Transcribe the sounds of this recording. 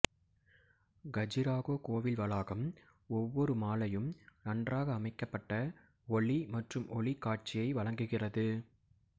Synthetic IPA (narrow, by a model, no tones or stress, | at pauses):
ɡɐd͡ʒɪɾaːɣoːkoːʋɪlʋɐlaːɣɐm | ɔʋːɔɾɯmaːlɐjɯmnɐɳdraːɣɐːmɐɪkːɐpːɐʈːɐ | ɔɭimɐʈrɯmʔɔɭɪkːaːʈ̚t͡ʃɪjɐɪʋɐɭɐŋɡɯɣɪrɐðɯ